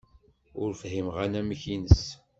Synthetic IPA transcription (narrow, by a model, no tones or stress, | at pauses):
ʊɾfɦimʁanæməçinəs